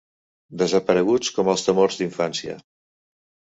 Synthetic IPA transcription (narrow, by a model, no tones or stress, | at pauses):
d̪əzəpəɾəɣ̞ut͡skɔməlˠst̪əmorzðiɱfansiə̰